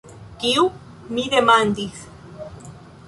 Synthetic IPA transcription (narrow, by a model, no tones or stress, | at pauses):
kiu | mid̪emand̪iθ